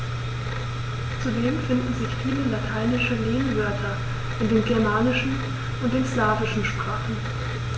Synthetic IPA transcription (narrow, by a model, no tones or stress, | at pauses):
t͡sudeːmfɪndn̩zɪçfiːləlatʰaɪnɪʃəleːnvœɐtʰɐ | ʔɪntd̥eːnɡɛɐmaːnɪʃn̩ | ʔʊnt̚d̥eːnslaːvɪʃn̩ʃpʁ̥aːχn̩